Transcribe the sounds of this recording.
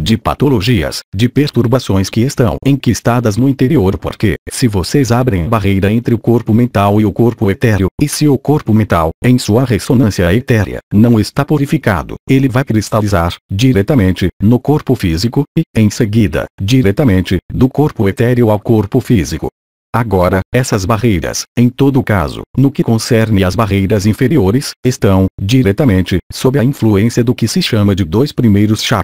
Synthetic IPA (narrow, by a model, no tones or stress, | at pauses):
d͡ʒɪpa̰t̪oloʒiɐ̰sd͡ʒɪpeɾt̪uɾbasõj̃skɪest̪ɐ̰̃w̃ẽj̃kist̪ad̪ɐznʊĩt̪eɾioɾpo̰ɾkḛsɪvosezabɾẽj̃ɐbaɦejɾɐẽnt̪ɾɪʊkoɾpʊmẽnt̪awɪʊkoɾpʊet̪ɛɾjʊɪsɪʊkoɾpʊmẽnt̪awẽj̃suɐʁesonɐ̃sjɐet̪ɛɾḭɐ̰nɐ̃w̃est̪apuɾifika̰d̪ʊ̰elɪvajkɾist̪alizaɾd͡ʒiɾɛt̪ɐmẽnt͡ʃɪnʊkoɾpʊfizikʊɪẽj̃seɡid̪ɐ̰d͡ʒiɾɛt̪ɐmẽnt͡ʃɪd̪ʊkoɾpʊet̪ɛɾjʊawkoɾpʊfizikʊ̰ | aɡɔɾɐɛsɐzbaʁejɾɐ̰sẽj̃t̪od̪ʊːka̰zʊ̰nʊkɪkõsɛɾnẽɐzbaʁejɾɐzĩfeɾioɾɪsest̪ɐ̃w̃d͡ʒiɾɛt̪ɐmẽnt͡ʃɪsobɾɪɐĩfluẽsiɐd̪ʊkɪsɪʃɐ̃mɐd͡ʒɪd̪ojspɾimejɾʊsʃa